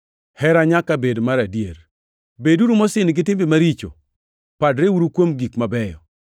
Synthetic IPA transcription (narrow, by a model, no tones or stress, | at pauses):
hɛɾaɲakabedmaɾadjeɾ | beduɾumɔsɪnɡɪtɪmbemaɾit͡ʃo̰ | padɾewuɾukwomɡikmabɛjɔ